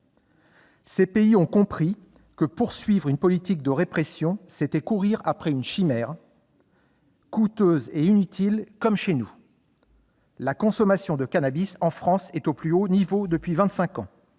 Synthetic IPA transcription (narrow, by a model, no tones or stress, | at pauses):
sepeiɔ̃kɔ̃pχi | kəpuʁsɥivʁynpɔlit̪ik̚d̪əʁepχesjɔ̃set̪ɛkuʁiʁapχɛynʃimɛːʁ | kut̪øzeinyt̪ʰilkɔmʃenu | lakɔ̃sɔmasjɔ̃d̪əkanabisɑ̃fχɑ̃sɛt̪oplyonivod̪əpɥivɛ̃t̪sɛ̃kɑ̃